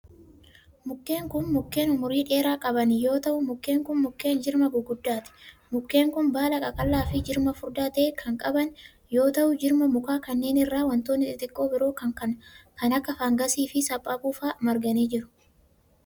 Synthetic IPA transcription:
mʊkːe̞ːŋkʊnmʊkːe̞ːnʊmʊɾiːᶑe̞ːɾaːkʼɐbɐnɪjo̞ːt̪ɐʔʊmʊkːe̞ːŋkʊnmʊkːe̞ːnd͡ʒɪɾmɐbʊɡʊd̪ːaːt̪ɪ̥mʊkːe̞ːŋkʊnbaːlɐkʼɐkʼɐlːaːfɪd͡ʒɪɾmɐfʊɾd̪aːt̪eːkʰɐŋkʼɐbɐn | jo̞ːt̪ɐʔʊd͡ʒɪɾmɐmʊkaːkɐnːe̞ːnɪrːaːwɐnt̪o̞ːnːɪt̪ɪt̪ʼɪkʼːo̞ːbɪɾo̞ːkɐŋkɐnkɐnɐkːɐfaːŋɡɐsiːfɪsɐpʼːaːpʼuːfaːmɐɾɡɐneːd͡ʒɪɾʊ̥

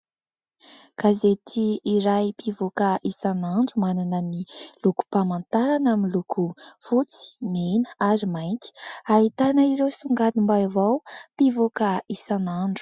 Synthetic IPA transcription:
kazet̪ʰiːɾajpivokaʔisanaɳɖ͡ʐumananəniluku̥pamant̪aɾanaminlukʰufut͡si̥menəaɾimajnt̪i̥aɦit̪anəiɾewsuŋɡad̪imbajvawpivokaisanaɳɖ͡ʐu̥

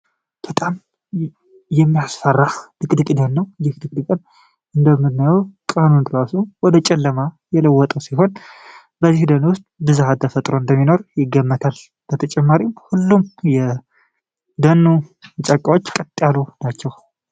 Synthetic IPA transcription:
b̥ət̪ʼam | jɛmːijasfərːad̪ɨkʼd̪ɨkʼd̪ənːəwjɪhd̪ɨkʼd̪ɨkʼɨn | ʔɨnd̪əmːɨdnajawkʼanund̪ɨɾasuwɔd̪ət͡ʃʼɛlːəmajɛləwːɔt̪ʼəwsiɦo̞n | bəzihd̪ənuwʊst̪ʼbɨzahat̪ʰəfət̪ʼɾo̞ɨnd̪əmːino̞ɾjɪɡːəmːət̪ʰal | b̥ət̪ʰət͡ʃʼɛmːaɾimhulːumjɛ | d̪ənːut͡ʃʼakʼːawo̞t͡ʃːkʼət̪ʼːjalunat͡ʃːɛw

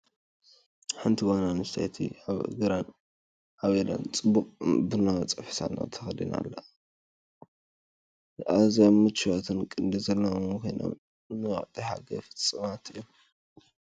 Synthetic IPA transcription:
ħɨnt̪ʰiwanamɨst̪ajt̪ʰḭβɡɨɾan | aβela̰nt͡sʼɨbːukʼbɨnawt͡sʼɐfħi̥sa̰na̰t̪ʰɐ̥xɐd̪ina̰lːɐ | ʔazamːɨt͡ʃːɨwat̪ʰɨnkʼɨnd̪izɐlːakʰo̞jno̰m | nɨwa̰ʔt̪ʼiħa̰ɡɐ̰fɨ̥t͡st͡sʼɨmat̪ʰɨjːo

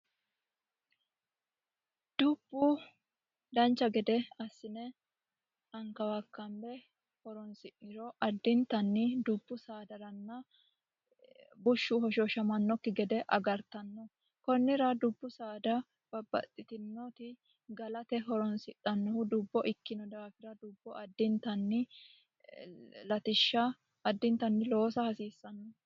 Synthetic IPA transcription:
d̪̥ʊbːu | d̪ɐnt͡ʃːɐɡɛd̪ɛɐsːɪnɛ | ɐŋkɐwɐkːɐmbɛ | hɔɾɔnsɪʔɪɾɔʔɐd̪ːɪnt̪ɐnːɪd̪ʊbːʊsaːd̪ɐɾɐnːɐ | bʊʃːuɦɔʃoʃɐmɐnːɔkːɪɡɛd̪ɛʔɐ̰ɡɐɾt̪ɐnːɔ | kɔnːɪɾɐd̪ʊbːʊsaːd̪ɐ | b̥ɐbːɐ̰t̪ʼːɪt̪ɪnːɔt̪ɪ | ɡɐlɐt̪ɛɦɔɾɔnsɪtʼːɐnːɔhʊd̪ʊbːɔʔɪkːɪnɔd̪aːfɪɾɐd̪ʊbːɔɐd̪ːɪnt̪ɐnːɪ | lɐt̪ɪʃːɐː | d̪ːɪnt̪ɐnːɪlo̞ːsɐhɐsiːsːɐnːɔ

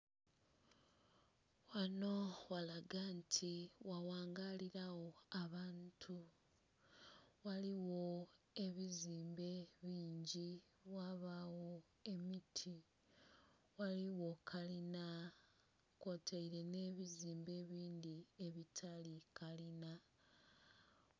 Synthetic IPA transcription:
wano̞walaɡantʰiwawaːŋɡaliɾawo̞aβaːntʰu | waliwo̞ | e̞βiziːmbe̞βiːɲɟi | waβawo̞ | e̞mitʰi | waliwo̞kʰalina | kotʰaiɾe̞ne̞ːβiziːmbe̞ːβiːndie̞βitʰalikalina

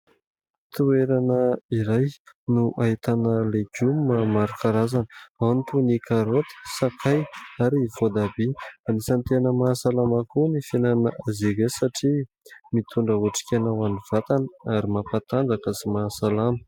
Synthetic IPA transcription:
t̪ueɾanəiɾajnuʔaɦit̪anəleɡumːamaɾakaɾazanə̥awnit̪unikʰaɾot̪i̥sakʰajaɾivod̪abianisant̪enəmasalamakunifenanəʔazeɡesaʈ͡ʂi | mit̪ʰuɳɖ͡ʐəuʈ͡ʂi̥kʲanawaniv̥at̪anəaɾimapat̪and͡zakəsimasalamə̥

